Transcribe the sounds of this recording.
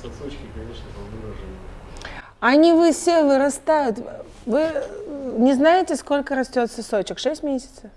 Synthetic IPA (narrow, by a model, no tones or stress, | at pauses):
kʲɪkɐnʲeʂnəpəlˠnoʐ | ɐnʲɪvɨfsʲevɨɾɐst̪ajʊt̪ | vɨ | nʲɪznaɪtʲɪsko̞lʲkəɾɐsʲtʲo̞t̪səso̞t͡ɕɪkʂɛsʲtʲmʲesʲɪ̥t̪səf